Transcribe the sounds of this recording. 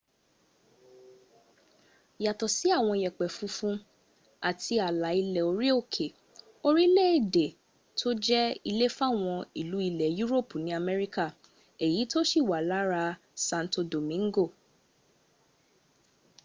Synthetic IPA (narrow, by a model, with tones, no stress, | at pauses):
ja˨tɔ˨si˨˦a˦˨w̃ɔ̃˧i˨jɛ˨k͡pɛ˨fu˧fũ˧˦ | a˨ti˧a˨la˨˦i˧lɛ˨o˧ɾi˦o˦˨kʰe˨ | o˦ɾi˦le˦˨de˨ | tʰo˦d͡ʒɛ˦i˧le˦fa˦˨w̃ɔ̃˧i˨lu˨˦i˧lɛ˨ju˦ɾo˦˨pu˨nĩ˨˦a˧mɛ˧ɾi˦ka˦˨ | e˨ji˨˦to˦ʃi˦˨wa˨la˨˦ɾa˧ | sã˧n̩˨to˧do˨mĩ˨˦ŋ˦ɡo˦˨